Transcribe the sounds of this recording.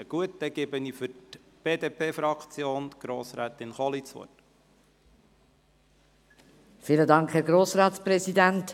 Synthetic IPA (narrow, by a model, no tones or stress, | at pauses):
əɡ̥uət̚dɛɡ̥ɪbənifʏɾtb̥eːdeːpʰeːfɾɑkt͡sjoːnɡ̥ɾoːsɾɛːt̪ɪnχɔlit͡sʋo̰t | fiːlədɑŋkhɛɾɡɾoːsɾɑːtspɾɛsidænt